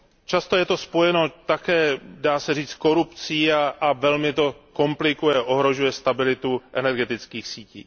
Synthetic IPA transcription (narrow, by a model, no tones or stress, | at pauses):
t͡ʃast̪o̞jɛt̪o̞spo̞jɛno̞t̪akɛːdaːsɛriːt͡sko̞ɾupt͡siːaʔavɛlmɪt̪o̞ko̞mplɪkujɛʔo̞ɦɾo̞ʒujɛst̪abɪlɪt̪uʔɛnɛɾɡɛt̪ɪt͡skiːxsiːciː